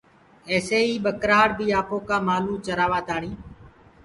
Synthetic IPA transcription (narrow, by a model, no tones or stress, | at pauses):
eːseːiːɓəkɾaːɽbiːaːpoːkaːmaːlũːt͡ʃəɾaːʋaːt̪aːɳĩː